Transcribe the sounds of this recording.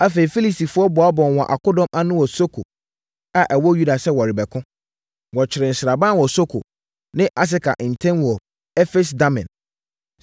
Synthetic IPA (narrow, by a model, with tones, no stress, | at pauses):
a˦fe˨ɾi˨fi˦li˦si˨fʊ˦ɔ˦bɔ˨a˦bɔ̃˨n˨wɔ̃˨ʔa̰˨ko˦dɔ̃˦mʔa˦nʊ̃˦wɔ˨so˦kʰo̰˨ | a˨ʔɛ˨wɔ˦ju˦da˨sɛ˦wɔ˨ɾɪ˨bɛ˨kʰʊ̃˦ | wɔ˨t͡ɕʰɪ˨ɾɪ̃˨n̩˨sɪɾa˨bã˦wɔ˨so˦kʰo̰˨ | nɪ̃˦ʔa˦s̬ɪ˦kʰa̰˨ʔn̩˨tʰɛ̃˦nwɔ˨ | ɛ˦fe˦s̬da˦mɪ̰̃˨n